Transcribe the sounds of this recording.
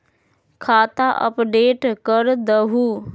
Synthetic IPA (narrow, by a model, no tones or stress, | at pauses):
kʰaːt̪aʔə̰pɖeːʈkəɾd̪əɦu